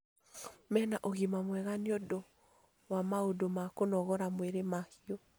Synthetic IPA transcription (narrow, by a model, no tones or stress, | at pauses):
mɛnaʔoɣimamwɛɣaniɔdɔ | wamaodomakonɔɣɔɾamweɾemahiɔ